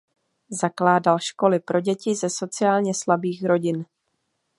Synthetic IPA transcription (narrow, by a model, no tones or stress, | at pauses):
zaklaːdalʃko̞lɪpɾʔo̞ɟɛcɪzɛso̞t͡sɪjaːlɲɛslabiːxɾo̞ɟɪn